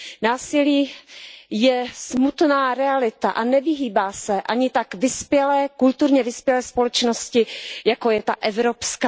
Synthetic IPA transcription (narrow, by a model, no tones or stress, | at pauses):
naːsɪliː | jɛsmut̪naːɾɛalɪt̪a̰ʔanɛvɪɦiːbaːsɛʔaɲɪt̪akvɪspjɛlɛːkult̪uɾɲɛvɪspjɛlɛːspo̞lɛt͡ʃno̞scɪjakojɛt̪aʔɛvɾopska